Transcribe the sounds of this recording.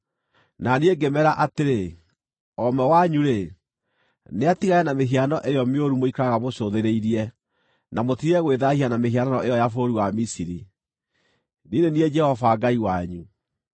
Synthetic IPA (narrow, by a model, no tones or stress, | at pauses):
nanieɡemɛɾaʔateɾe | ɔmɛwaɲuɾe | neatiɣajɛnameɦianɔʔejɔmeoɾumoikaɣamoɕoðeɾeiɾiɛ | namotiɾɛɣweðahianameɦiananɔejɔjafoɾiwamisiɾi | ninenied͡ʒɛhɔvaːɡaiwaɲu